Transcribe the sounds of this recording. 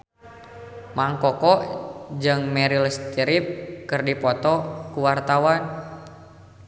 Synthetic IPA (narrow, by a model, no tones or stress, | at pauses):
maŋkɔkɔd͡ʒɨŋmɛɾilɛst̪iɾip̚kɨrdipɔt̪ɔkuwart̪awan